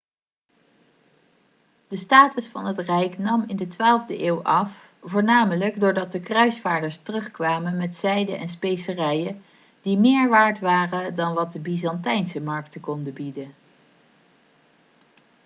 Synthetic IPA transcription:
d̥əstaːtəsfɑnɦətrɛjknɑmɪndətʋaːlˠvdəʔeːwʔɑf | voːɹnaːmələɡdʊːɹdɑt̚dəkrœɥsfaːɹdəɹstərɵχkʋaːmənmɛtsɛjdənʔɛnspejsərɛjə | d̥imɪːɹʋaːɹtʋaːrədɑnʋɑt̚dəbizɑntɛjnsəmɑɹk̚təkɔndəbidən

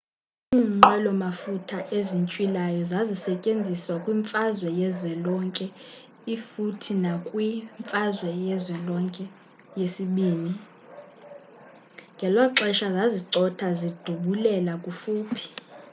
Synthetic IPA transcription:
iŋ͡ǃalɔmafutʰaʔezint͡ʃʼwilajɔzazisɛcʼend͡zʱiswakʼwiɱfazwɛjɛzwɛlɔŋkʼɛ | ifutʰinakʼwiɱfʼazwɛjɛzwɛlɔŋkʼɛ | jesiɓiːni | ŋɡʱɛlwaǁɛʃazaziǀɔtʰazid̥ʱuɓulɛlakʼufuːpʰi̥

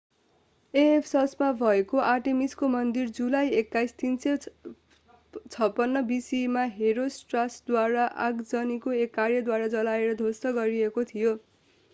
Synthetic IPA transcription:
eepʰsʌsmabʱʌekoʔaʈemiskomʌnd̪ird͡zulajekːajst̪inse | t͡sʰʌpːʌnːʌbisimaɦeɾosʈrasd̪waɾaʔa̰ɡd͡zʌnikoekːarjʌd̪waɾad͡zʌlaeɾʌd̪ʱost̪ʌɡʌɾiekot̪ʰijo

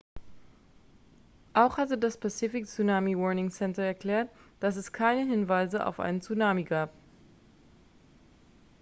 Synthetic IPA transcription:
ʔaʊxhatədaspʰat͡sifɪk̚t͡sunaːmiwɔɐnɪŋsɛntɐɛɐkl̥ɛːɐtd̥asɛskʰaɪnəɦɪnvaɪzəa̰ʊfʔa̰ɪnət͡sunaːmiɡaːp̚

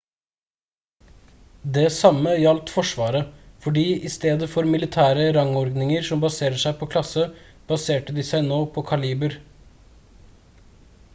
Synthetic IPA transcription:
d̪ɛsɑməjɑlt̪fɔʂʋɑːɾəfɔɖiːʔɪst̪eːd̪əfɔɾmɪlɪt̪ʰæːɾəɾɑŋɔɾɡnɪŋəɾsɔmbɑseːɾəʂæɪpʰɔkʰlɑsə | b̥ɑseːʈəd̪ɪsæɪnoːpʰɔkʰɑliːbəɾ

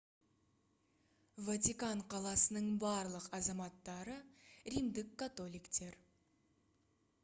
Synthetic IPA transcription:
vat̪ʲikɑɴqʰɑlˠɑsənəɴbɑɾlˠəqɑzɑmɑt̪ːɑɾəɾimd̪ɪkːat̪o̞lˠijkt̪e̞ɾ

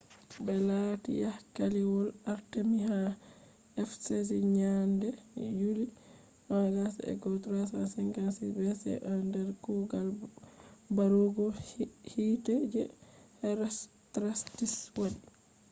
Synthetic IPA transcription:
bɛlatḭjahkaliwɔlaɾtemiɦa | ɛfses̬iɲandɛjuli | waɡasɛ̰ɡɔtɾasasɛŋɡansibɛsɛ̰ʔandɛɾkuɡal | baɾuɡɔhitɛd͡ʒɛhɛɾas | tɾastiswaɗi

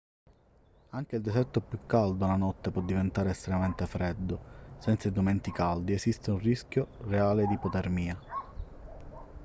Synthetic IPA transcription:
aŋk̟eild̪esɛrt̪opjukːald̪olanɔt̪ːepwɔd̪ːivent̪aːɾeːst̪ɾemament̪efɾɛd̪ːosɛnt̪said̪oment̪ikald̪iesist̪eunriskjoreaːled̪ipot̪ɛrmiːa

